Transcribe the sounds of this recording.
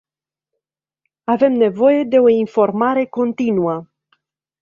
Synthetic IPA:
ave̞mne̞vo̞je̞d̪e̞o̞info̞rmaɾe̞ko̞nt̪inuə

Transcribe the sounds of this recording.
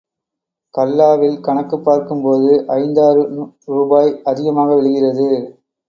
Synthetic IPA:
kɐlːaːʋɪlkɐɳɐkːɯpːaːɾkɯmpoːðɯʔɐɪnd̪aːɾɯɾuːbaːjɐðɪɣɐmaːɣɐʋɛɭɯɣɪrɐðɯ

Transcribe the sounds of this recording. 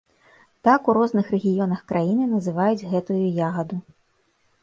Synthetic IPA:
t̪akuɾɔznɨxrɛɣʲijɔnɐxkɾʔajinɨnɐzɨvajud͡zʲɣɛt̪ujujaɣɐd̪u

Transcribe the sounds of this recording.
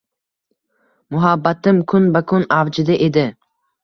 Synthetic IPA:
mʊɦabːat̪ɪmkʰʊnbakʰʊnavd͡ʒɪd̪ɪʔed̪ɪ

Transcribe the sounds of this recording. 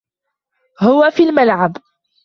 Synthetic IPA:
hʊwafiːlmalʕab

